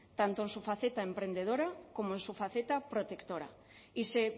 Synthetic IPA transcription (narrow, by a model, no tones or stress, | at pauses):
t̪ant̪oensufaθet̪aempɾend̪eð̞oɾakomoensufaθet̪apɾot̪ekt̪oɾa̰ | ise